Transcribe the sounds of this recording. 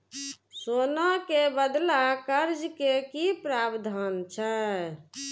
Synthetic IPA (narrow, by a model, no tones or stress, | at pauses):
sonakebəd̪lakəɾd͡ʒkekipɾaːbd̪ʱant͡ʃʰɛ